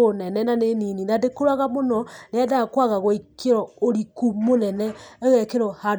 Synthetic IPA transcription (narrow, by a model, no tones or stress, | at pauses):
onɛnɛnanenininadekoɾaɣamonɔneaðakwaɣaɣoikeɾɔoɾikumonɛnɛɛɣɛkeɾɔha